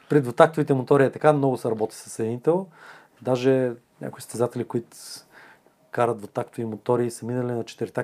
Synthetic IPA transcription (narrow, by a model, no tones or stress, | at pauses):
pɾɛd̪vot̪akt̪ʊvit̪ɛmot̪ɔɾit̪ɐkamnɔɡʊsɛɾɐbɔt̪i̥sə̥sɛd̪init̪ɛl | d̪aʒɛ | nʲʔa̰kʊist̪ɛzat̪ɛlʲikoit̪ʊ̥ | kaɾət̪vot̪akt̪ʊvimot̪ɔɾiːsɐminɐlinɐt͡ʃɛ̥t̪ɛɾt̪a